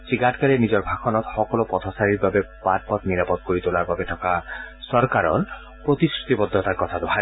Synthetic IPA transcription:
siɡaʈkaɾenid͡ʒɔɾbʱakʰɔnɔt̪xɔkɔlopɔt̪ʰɔsaɾiɾbabepad̚pɔt̪niɾapɔt̪̚koɾit̪olaɾbabetʰɔkasɔɾkaɾɔ̰l | pɾot̪iskɾut̪ibɔd̪ʱːɔt̪aɾkɔt̪ʰad̪ɔɦʰa

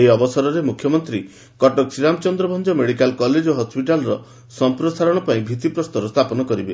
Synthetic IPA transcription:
iɔbɔsɔɾɔɾemukʰːjɔmɔnt̪ɾi | kɔʈɔksiɾamɔt͡ʃɔnd̪ɾɔbʱɔnd͡ʒɔmeɽikalkɔled͡ʒoɦɔspiʈalɾɔ | sɔmpɾɔsaɾɔɽ̃ɔpaĩbʱit̪ipɾɔst̪ɔɾɔst̪ʰapɔnɔkɔɾibe

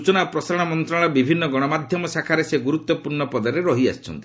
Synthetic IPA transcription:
ut͡ʃɔnapɾɔsaɾɔɽ̃amɔnt̪ɾaɭ̃ɔbibʱinːɔɡɔɽ̃ɔmad̪ʱjɔmɔsakʰaɾeseɡuɾut̪wɔpuɾɳɔpɔd̪ɔɾeɾɔɦia̰st͡ʃʰɔ̰nt̪i

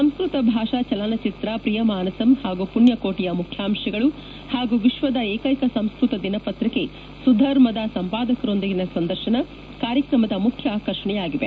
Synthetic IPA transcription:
sɐmskɾut̪ɐbʱaːʂaːt͡ʃɐlanɐt͡ʃit̪ɾapɾijɐmaːnɐsɐmhaːɡupuɳjɐkoːʈijɐmukʰjaːmʃɐɡɐɭu | haːɡuʋiʃʋɐd̪ɐeːkɐjkɐsɐmskɾut̪ɐd̪inɐpɐt̪ɾike̞ | sud̪ʱːɐɾmɐd̪asɐmpaːd̪ɐkɐɾo̞nd̪iɡinɐsɐnd̪ɐɾʃɐnɐ | kaːɾjɐkɾɐmɐd̪ɐmukʰjɐaːkɐɾʂɐɳɛjaːɡiʋe

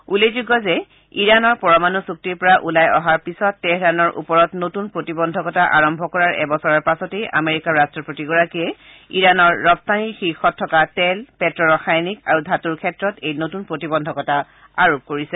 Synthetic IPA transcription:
ulezuɡɔzɛ | iɹanɔɹpɔɹɔmanusuk̚tiɹpɔɹaʔulajɔɦaɹpisɔtːɛhɹanɔɹʔṵpɔɹɔtnotunpɹotibɔndʱɔkɔtaʔaɹɔmbʱɔkɔɹaɹɛ̰bɔsɔɹaɹpasɔtejʔa̰meɹikaɹastɹɔpotiɡɔɹakiɛ | ḭɹanɔɹːɔbstʰanixixɔtʰːɔkatɛlpɛtɹɔɹɔxajnikaɹudʱatuɹkʰɛtɹɔtejnotunpɹotibɔndʱɔkɔta | aɹop̚koɹisɛ

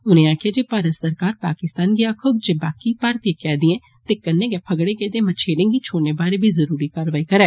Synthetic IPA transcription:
ʊnẽːaːkʰɪjaːd͡ʒeːpaːɾət̪səɾkaːɾpaːkɪst̪aːnɡiakʰʊɡd͡ʒeːbaːkiːpaːɾt̪iːkɛːd̪ĩɛ̃ː | t̪eːkəneːɡɛːpʰəɡɽeːɡɛːd̪eːmət͡ʃʰeːlɪ̃ːŋɡiːt͡ʃʰoːneːbaːɾeːbʱiːzəɾuːɾiːkaːɾʋaːiːkəɾɛː

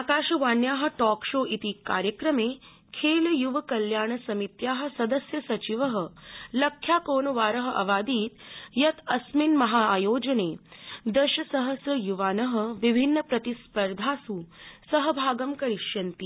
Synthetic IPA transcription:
aːkaːʃɐʋaːnjaːɦə̆ʈɔːkʃoːʔit̪iːka̰ːɾjəkɾɐmeː | kʰeːljuʋəkɐljaːɳsɐmit̪jaːɦə̆sɐd̪əsjɐsɐt͡ʃiʋəɦə̆lɐkʰjaːkoːɳʋaːɾəɦəʔɐ̰ʋaːd̪iːt̪jɐt̪ɐsminmɐɦaːjoːd͡ʒɐneːd̪ɐʃɐsɐɦəsjɐjuʋaːnəɦə̆ʋibʱinːəpɾɐt̪ispəɾd̪ʱaːsuːsɐɦəbʱaːɡɐmkɐɾiʃjɐnt̪iː

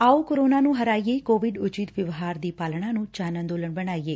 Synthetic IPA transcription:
aːoːkoɾoːnãːnũːɦəɾaːijeikoːʋɪɖʊt͡ʃit̪ʋəʋɦaːɾd̪iːpaːlɽ̃ãːnũːt͡ʃaːnə̃nd̪oːləɳbəɽaːieː

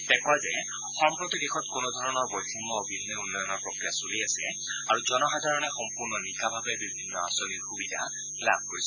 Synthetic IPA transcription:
tɛkwazɛ | xɔmpɹɔt̪idɛxɔtkʊnɔdʱɔɹɔnɔɹbɔjtʰimɔːbʱinnːɛunːɔjɔnɔɹpɹɔkɹijasuliasɛ | aɹuzɔnɔxadʱaɹɔnɛxɔmpuɹnɔnikabʱabɛbibʱinːɔa̰sɔniɹxubidʱa | la̰b̚ʱkoɹisɛ

